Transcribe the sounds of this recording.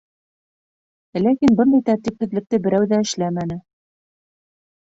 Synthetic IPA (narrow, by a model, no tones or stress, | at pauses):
lækinbɤnd̪ɑjt̪æɾt̪iphɘ̆ðlɘ̆k̚t̪ɘbɘ̆ɾæwðæɘ̆ʃlæmænɘ